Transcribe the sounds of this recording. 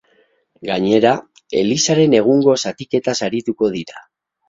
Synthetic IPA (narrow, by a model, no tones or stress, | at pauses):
ɡaɲe̞ɾa | e̞lisaɾe̞ne̞ɣ̞uŋɡo̞sat̪ike̞t̪asaɾit̪uko̞ðiɾa